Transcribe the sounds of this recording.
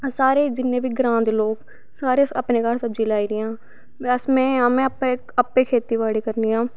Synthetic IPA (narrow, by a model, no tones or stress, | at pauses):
saːɾeːd͡ʒɪnːẽːbʱiːɡɾãːnd̪loːɡ | saːɾeəpneːkaːɾsəbd͡ʒiːlaːiːɾɪjãː | əsmɛ̃ːaːmɛ̃ːpe | əpːeːkʰeːt̪iːʋaːɽiːkəɾniːãː